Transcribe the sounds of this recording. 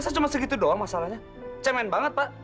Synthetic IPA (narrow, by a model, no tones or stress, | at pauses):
sat͡ʃumasəɡit̪udoamasalahɲa | t͡ʃəmɛnbaŋət̪̚paʔ